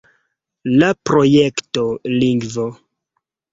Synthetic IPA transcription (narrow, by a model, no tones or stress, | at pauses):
lapɾo̞jektoliŋɡvo